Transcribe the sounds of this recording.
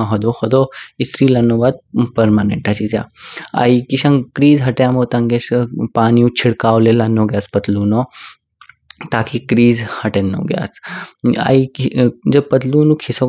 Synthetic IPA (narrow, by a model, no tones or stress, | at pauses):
ɦɐd̪ohɐd̪oɪsɾiːlɐnːoːbaːd̪̚pɐɾmaːnḛ̃ɳʈɐt͡ʃiza̰ːa̰ikiʃɐ̃ŋkɾiːzɦɐʈjaːmot̪ɐ̃ŋɡespaːniũt͡ʃʰɪɽkaːwlelɐnːõːɡjaːspɐt̪luːnoː | t̪aːkikɾiːzhɐʈeno̰ɡja̰ːsa̰id͡ʒɐb̚pɐt̪luːnũkʰɪso